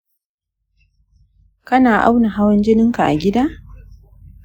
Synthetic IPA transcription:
kɐ˦naː˨ʔa̰˦wna˨ɦa˦wɐ˦nd͡ʒɪ˦nɪ˦ŋka˨ʔa̰˨ɡʲɪ˦daː˦

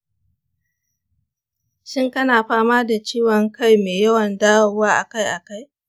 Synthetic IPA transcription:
ʃɪ˦ŋkɐ˦naː˨ɸaː˦maː˦da˨t͡ʃiː˦wɔ˨ŋka˦jmeː˨jɐ˦wɐ˨ndaː˦wɐ˨waː˦ʔa̰˨ka˦jʔa˨ka˦j

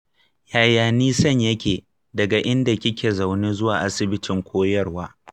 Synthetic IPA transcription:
jaː˨jaː˨niː˦sɐ˦˨ɲjɐ˦kʲeː˨ | dɐ˨ɡa˨ʔɪ˦nda˨kʲɪ˦kʲeː˨za˨wneː˦zʊ˦waː˨ʔa˦sɪ˨bɪ˦tɪ˨ŋkʷʰoː˦jɐ˦rwaː˦

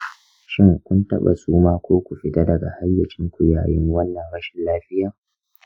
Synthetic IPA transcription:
ʃɪ˦ŋkʷʊ˦ntɐ̰˦ɓa̰˨suː˦maː˦kʷoː˦kʷu˨ɸɪ˦ta˦dɐ˨ɡa˨ha˦jːɐ˨t͡ʃʲɪ˦ŋkʷu˨jaː˨jɪ˦ŋ˦wɐ˦nːɐ˨ŋɽɐ˦ʃɪ˨nlaː˦ɸɪ˦jaː˨

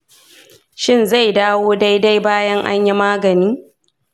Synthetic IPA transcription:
ʃɪ˦˨nza˦˨jdaː˦woː˦da˦jda˦jbaː˦jɐ˦ŋʔa̰˦ɲji˦maː˦ɡɐ˨niː˦

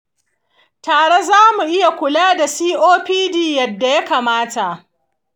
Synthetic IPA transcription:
taː˨ɽe˦zaː˦mu˨ʔɪ˦ja˨kʷʊ˨laː˦da˨siː˦ʔoː˦ɸiː˦diː˦jɐ˨dːa˨ja˦kaː˨maː˦ta˨ʔ

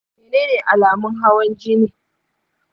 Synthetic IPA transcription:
meː˨neː˦neː˨ʔa˨laː˨mʊ˦ŋɦa˦wɐ˦nd͡ʒiː˦neː˨

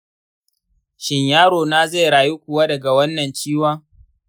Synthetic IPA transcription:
ʃɪ˨ɲjaː˦ɽoː˨naː˦ze˦˨jɽaː˨ji˦kʷʊ˨wa˦dɐ˨ɡa˨wɐ˦nːɐ˨nt͡ʃiː˦waː˦

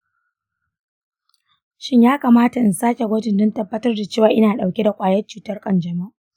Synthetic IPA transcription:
ʃɪ˦ɲjaː˦kaː˨maː˦ta˨ʔɪ˨nsaː˦kʲe˨ɡʷɐ˦tɪ˨ndɔ˦ntɐ˨bːɐ˦tɐ˦rda˨t͡ʃeː˦˨waː˨ʔɪ˦naː˨ɗa˨wkʲe˦da˨kʷʼaː˨jɐ˦t͡ʃuː˨tɐ˦rkʼɐ˦nd͡ʒɐ˨ma˦˨ʔ

